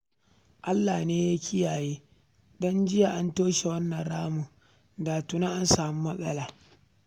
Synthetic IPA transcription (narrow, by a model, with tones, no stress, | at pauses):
ʔa˦lːaː˨neː˦ja˦kʰʲɪ˦jaː˨jeː˦ | dɔ˦nd͡ʒɪ˦ja˨ʔa˦ntoː˦ʃe˨wɐ˦nːɐ˨nɽaː˦muː˨ | daː˨tu˦na˦ʔa˦nsaː˨mu˦mɐ˦sʼɐ̰˦laː˨